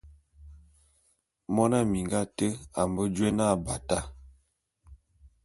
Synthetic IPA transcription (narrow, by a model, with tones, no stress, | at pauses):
mɔ˦na˦mi˨ŋɡa˦tə˦a˨mbə˦d͡ʒe˦na˦˨ba˨ta˦